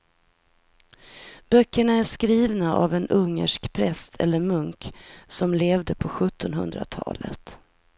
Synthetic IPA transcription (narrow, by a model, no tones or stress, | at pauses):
b̥œkʰːəɳaæʂkɾiːvnaʔa̰vɛnɵŋːə̰ʂkpʰɾɛst̪ʰɛ̰lːəɾmɵŋksɔmleːvd̪əpʰɔɧɵt̪ʰːɔnɦɵ̰nd̪ɾa̰t̪ʰɑ̰ːlə̰t̪